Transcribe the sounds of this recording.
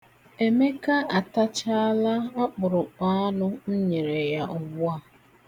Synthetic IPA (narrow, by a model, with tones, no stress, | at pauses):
e˨me˦ka˦a˨ta˦t͡ʃa˦la˦a˦k͡pʊ˨ɾʊ˨k͡pa˦a˦nʊ˦n̩˦ɲe˨ɾe˨ja˦ʔʊ˨ɡ͡bʊ˦a˦˨